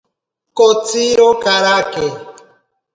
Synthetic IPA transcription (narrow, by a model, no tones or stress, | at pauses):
kot͡siɾokaɾake